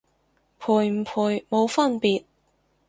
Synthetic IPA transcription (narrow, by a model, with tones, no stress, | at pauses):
pʰuː˨˩jm̩˨˩pʰuː˨˩jmo˨˧wfɐ˥npiː˨t̚